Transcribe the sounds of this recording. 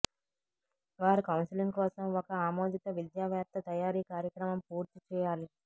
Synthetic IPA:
ʋaːɾikɐwnsiliŋɡkɔːsɐmɔkɐaːmoːd̪it̪ɐʋid̪jaːʋjaːp̚t̪ʰːɐt̪ɐjaːɾiːkaːɾjɐkɾɐmɐmpuːɾt̪it͡ʃɛːjaːli

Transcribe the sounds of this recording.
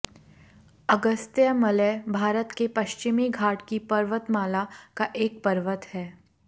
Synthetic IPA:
ɐɡəst̪jəmɐləbʱaːɾət̪kepɐʃt͡ʃɪmiɡʱaːʈkipɐɾʋət̪maːlakaʔeːk̚pəɾʋət̪hɛː

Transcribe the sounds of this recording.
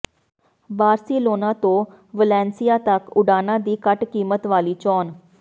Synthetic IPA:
baːɾsiːloːnãːt̪õː | ʋəlɛ̃ːnsijaːt̪əkʊɖaːnãːd̪iːkəʈkiːmət̪ʋaːliːt͡ʃɔːn

